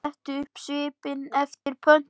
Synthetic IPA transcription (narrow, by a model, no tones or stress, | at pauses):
ht̪ʏʏhpsɪːpɪnɛft̪ɪɾ̥pʰœn̥